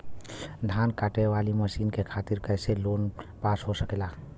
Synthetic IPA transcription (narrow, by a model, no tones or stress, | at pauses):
d̪ʱaːnkaːʈeʋaliməsiːnkekʰaːt̪iɾkəɪselonpasɦosəkela